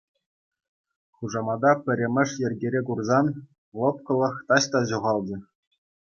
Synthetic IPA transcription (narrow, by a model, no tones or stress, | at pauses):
χuʐɑmɑd̪ɑpʲɘ̆ɾʲĕmʲɘ̆ʂjɘ̆rʲɡʲeɾʲekurzɑn | lˠɤ̆p̚kɤ̆lˠɤ̆χt̪ɑɕt̪ɑʑuʁɑlˠd͡ʑɤ̆